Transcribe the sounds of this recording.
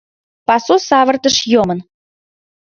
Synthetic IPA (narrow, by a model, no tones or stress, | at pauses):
pɑsusɑβə̆rt̪əʃjomən